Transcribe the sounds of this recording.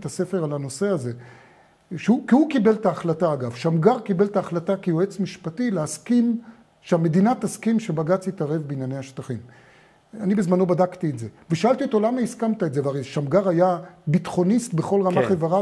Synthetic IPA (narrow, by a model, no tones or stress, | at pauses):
tase̞fe̞ʁalano̞se̞aze̞ | ʃeukihukibe̞ltaːχlataːɡavʃamɡaʁkibeltaːχlatakijoet͡smiʃpatileaskim | ʃeame̞dinataskimʃebaɡat͡sit̪aʁe̞vbinjanehaʃt̪aχim | anibezmanlo̞badakt̪ietzeveʃaalt̪iot̪o̞lamaiskamt̪aetzeveaʁeʃamɡaʁajabitχo̞nist̪be̞χo̞lʁamaχevaʁa